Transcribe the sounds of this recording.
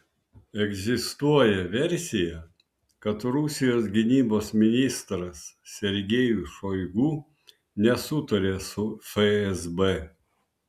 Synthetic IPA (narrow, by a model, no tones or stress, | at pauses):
ɛɡʲzʲɪst̪uɔjɛʋʲɛɾʲsʲɪjɛ | kɐt̪ɾʊsʲɪjoːsɡʲɪnʲiːboːsmʲɪnʲɪst̪ɾɐssʲɛɾʲɡʲejuʃoɪɡuː | nʲɛsʊt̪ɐɾʲeːsʊfɛɛzbɛ